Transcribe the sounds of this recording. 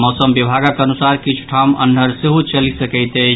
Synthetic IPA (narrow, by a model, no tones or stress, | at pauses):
mɔsəmbibʱaɡakənusaɾkit͡ʃʰu̥ʈʰamə̰nːʱəɾseɦut͡ʃəlisəkɛɪt̪ɛ